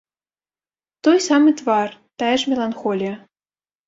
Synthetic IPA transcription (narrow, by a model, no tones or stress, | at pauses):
t̪ɔjsamɨt̪vart̪aɛʂmʲɛlˠanxɔlʲijɐ